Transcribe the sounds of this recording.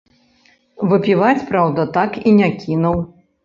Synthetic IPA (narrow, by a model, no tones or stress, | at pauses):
vɨpʲivat͡sʲpɾawd̪ɐt̪akinʲakʲinuw